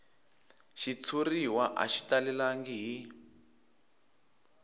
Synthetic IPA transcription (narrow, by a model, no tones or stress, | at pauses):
ʃit͡sʰuriwaʔa̰ʃi̥talilaŋɡiɦi